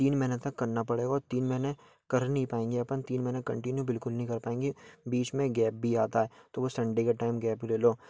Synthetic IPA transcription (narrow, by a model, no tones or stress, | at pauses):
t̪iːnmɛːnet̪ɐkːɐɾnapɐɽeːɡaɔːɾt̪iːnmɛɦne | kɐɾnɐɦĩpaːẽːŋɡiɐpənt̪iːnmɛnekɐ̰̃ɳʈɪnjubɪlkʊlnəɦĩkɐɾpaːẽːŋɡibiːt͡ʃmẽɡɛːp̚bʱiaːt̪aɦɛt̪oʋosɐ̃ɳɖekaʈaːɪmɡɛːpkleːloː